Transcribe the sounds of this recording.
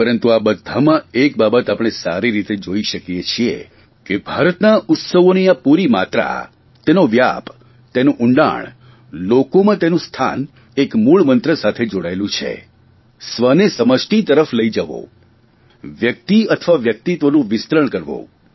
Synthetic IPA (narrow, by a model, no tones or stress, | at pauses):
pəɾənt̪uabəd̪ʱːamãek̚babət̪apɽ̃esa̰ɾiɾit̪ed͡ʒoiʃəkijet͡ʃʰiḛ | kebʱaɾət̪naʔʊt̪səʋoniapuɾimat̪ɾa̰ | t̪enoʋja̰p | t̪enũʔʊɳɖa̰ɳ̃ | lokomãt̪enũst̪ʰa̰n | ekmuɭmənt̪ɾəsat̪ʰed͡ʒoɽaelũt͡ʃʰḛ | sʋənesəməʃʈit̪əɾəfləid͡ʒəʋo̰ | ʋjək̚t̪iət̪ʰəʋaʋjək̚t̪it̪ʋənũʋɪst̪ɾəɳkəɾʋo̰